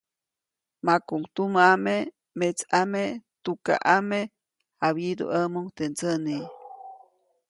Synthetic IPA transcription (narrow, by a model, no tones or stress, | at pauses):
makuŋt̪umaame | met͡samet̪uka̰ʔame | haβidṵʔəmuŋt̪ent͡səni